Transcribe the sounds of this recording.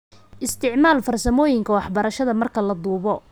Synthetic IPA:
ʔɪst̪ʰɪʕmaːlfɐrsɐmɔːjɪŋkʰɐwɑħbɐɾɐʃɐðɐmɐrkʰɐlɐd̪uːβɔ

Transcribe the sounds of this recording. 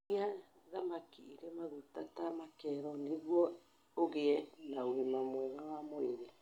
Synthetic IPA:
ia | ðamakiiɾemaɣutatamakɛɾɔneɣuɔ | oɣeɛnaoɾimamwɛβawamoeɾe

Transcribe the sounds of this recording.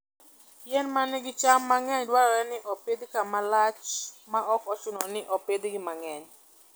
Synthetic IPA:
jɛnmanɪɡɪt͡ʃamːaŋɛɲdwaɾɔɾɛnɪʔoped̪kamalat͡ʃmaʔɔkɔt͡ʃʊnɔnɪʔɔped̪ɡɪmaŋɛɲ

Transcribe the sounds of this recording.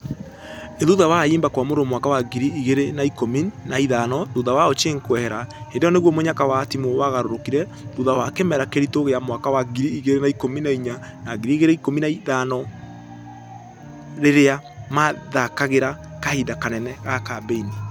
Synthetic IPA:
eðuðawaiːmbakwamoɾomwakawaɡiɾiiɣeɾenaikominaiðanɔðuðawaot͡ʃeŋkwɛhɛɾahendejɔneɣwɔmoɲakawatimowaɣaɾoɾokiɾɛ | ðuðawakemɛɾakeɾitoɣeamwakawaɡiɾiːɣeɾenaikominaiɲa | naɡiɾiiɣeɾeikominaiðanɔ | ɾeɾeamaðakaɣeɾa | kahidakanɛnɛɣakabeini

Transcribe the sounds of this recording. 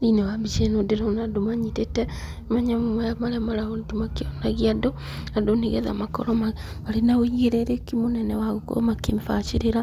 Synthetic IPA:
inɛwabit͡ʃɛnodeɾɔnadomaɲitetɛ | maɲamomɛamaɾɛmaɾaondimakeɔnaɣiadɔ | adoneɣɛ̰ða̰makɔ̰ɾɔma | maɾenaoiɣeɾeɾekimonɛnɛwaɣoko̰makemefat͡ʃeɾeɾa

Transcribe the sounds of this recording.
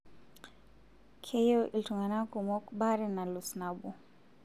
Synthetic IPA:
kʰɛjɔʔilitɔŋɡanakumɔkɓaɾɛnalusnabu

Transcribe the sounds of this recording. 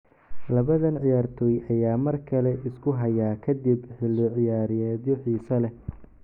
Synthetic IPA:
lɐβɐðɐnʕɪjaːrt̪ʰɔːjʔɐjaːmɐrkʰɐlɛɪskʰʊɦɐjaːkʰɐd̪ibħɪlːɪʕɪjaːɾɪjɛːd̪jɔħiːsɐlɛ

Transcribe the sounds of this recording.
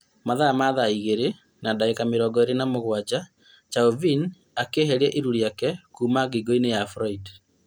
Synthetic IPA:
maðaamaðaiɣeɾe | nadaekameɾɔːɡɔeɾenamoɣwad͡ʒa | t͡ʃaovin | akeɦɛɾiɛʔiɾuɾiakɛkuːmaɡiɡoinejafɾɔid

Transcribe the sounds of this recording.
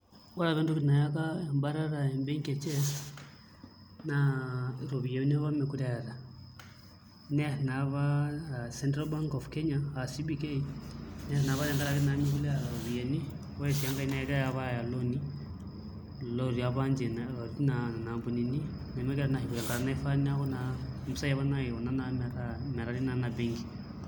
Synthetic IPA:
waɾaβɛndukinajakaɛmbaɾaɾaɛmbɛŋkɛt͡ʃɛ | naɾɔβijɛniaβamikulɛaɾa | nɛsnaβasɛntɾalbaŋkɔfkɛɲaasibikeinɛsinaβaɾeŋɡaɾakenamikulɛaɾaɾoβijeni | wesiaŋɡainaiɾajaβajaloni | loɾiaβand͡ʒenaoɾnaanambunini | nemekɛɾanahikuɾɛŋɡaɾanaifaniaxonamusajaβanaionanamɾamɛɾaɾinanabeŋɡi̥

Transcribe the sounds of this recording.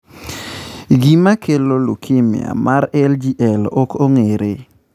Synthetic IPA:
ɡimakʰelolṵkʰɪmj̰a̰maɾɛld͡ʒiʔɛlɔkoŋeɾe

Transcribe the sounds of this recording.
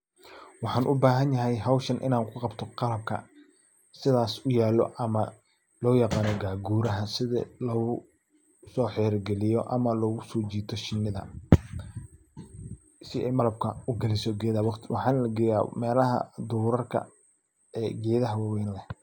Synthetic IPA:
wɑħɑːnʔʊbaːɦɐnjɐɦɛjɦɐwʃɐnʔɪ̰naːŋkʰʊqɑbt̪ʰɔqɑlɐb̚kʰɐ̰ | sɪðaːsʊjaːlɔ̰ʔɐmɐ | lɔːjɑqɑːnɔɡaːɡuːɾɐɦɐsɪðɐ̰lɔːɣʊ | sɔːħɛːɾɡɛlɪjɔʔɐ̰mɐlɔːɣʊsɔːt͡ʃiːt̪ʰɔʃɪnːɪðɐ̰ | sɪɛjmɐlɐb̚kʰɐʊɡɐlɪsɔɡɛːðɐw̪wʔɑħɑːnlɐɡɛja̰ːmɛːlɐɦɐ̰d̪uːɾɐrkʰɐ̰ | ɛːɡɛːðɐɦɐwɑwɛːnlɛh

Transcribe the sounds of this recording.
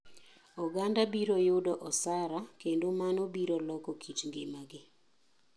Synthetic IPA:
ɔɡandabiɾojʊdɔʔɔsaɾakendomanobiɾolɔkɔkʰit͡ʃŋɡɪmaɡɪ

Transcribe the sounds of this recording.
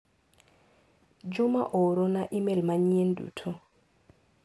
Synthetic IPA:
d͡ʒuma̰ʔɔɾɔnaʔimɛlmaɲijen̩dṵːtʰɔ

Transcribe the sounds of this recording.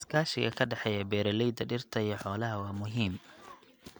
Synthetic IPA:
skʰaːʃɪɣɐkʰɐɖɑħɛːjɐbɛːɾɐlɛjd̪ɐɖɪrt̪ʰɐijɔħɔːlɐɦɐwɑːmʊɦiːm

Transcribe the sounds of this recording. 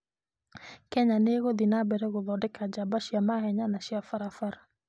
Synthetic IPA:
kɛɲaneɣoðinabɛɾɛɣoðɔdɛkad͡ʒabaʃiamahɛɲanaʃiafaɾafaɾa

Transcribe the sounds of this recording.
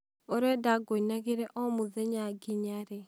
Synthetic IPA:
ɔɾɛdaɡoinaɣeɾɛʔɔmuzɛɲaɡiɲaɾɛ

